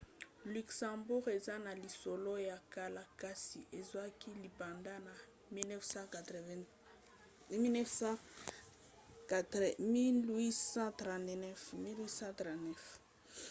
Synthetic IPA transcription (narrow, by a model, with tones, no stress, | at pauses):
ly˨ksã˨mbu˦ʁe˨za˦na˨li˨so˨lo˦ja˨ka˦la˦ka˦si˨ʔe˨zwa˦ki˦li˨bã˨nda˦na˨ | mi˦nɛ˦fsã˦ka˨tv | mi˦nɛ˦fsã˦˨ | ɛ˨mi˦lwi˦sã˦tʁã˨tnɛ˦fmi˦lwi˦sã˦t̪ʁã˨tnɛ˦f